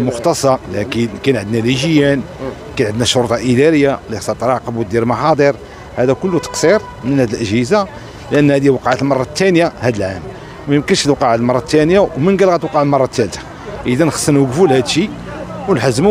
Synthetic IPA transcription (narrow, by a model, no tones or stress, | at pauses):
mʊxt̪ɑsˤɑlækikænʕəd̪næliʒəjːæn | kænʕəd̪næʃoɾt̪ˤɑʔəd̪æɾəjːalisɑt̪ˤɾˤɑʕqɑbuld̪iɾmɑħɑd̪ˤeɾ | hæd̪ækʊlːut̪ə̥qsiɾ | mənhæd̪əlʔəʒhəza | lʔənːhæd̪iwɑqʕat̪lmɑrˤːɑt̪ːænjahæd̪əlʕam | mæjəmkənʃt̪wqɑʕəlmɑrˤːɑt̪ːænjawmənɡælɣæt̪wqɑʕəlmɑrˤːɑt̪ːælt̪ḁ | ʔəd̪ænəxsˤːənuɡfulhæd̪ʃi | wnħəzːmu